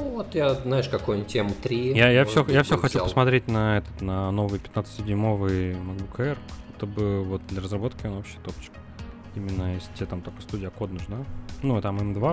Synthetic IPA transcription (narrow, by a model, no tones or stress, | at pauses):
vot̪jaznaɪʂkɐkujnʲtʲːemʊt̪ɾʲijajafsʲojafsʲoxɐt͡ɕuppə̥smɐt̪ɾʲet̚ʲnɐɛt̪ə̥t̪nɐno̞vɨjpʲɪ̥t̪nat̪sətʲsʲɪdʲmo̞vɨjmɐɡbukʰəɛrɛt̪əbɨvo̞t̪̚d̪lʲəɾəzrɐbo̞t̪kʲɪonopɕːɪ̥t̪opt͡ɕɪ̥k | imʲɪnːəjesʲtʲet̪amt̪okə̥st̪udʲɪjəko̞t̪nʊʐnanut̪amɨmd̪va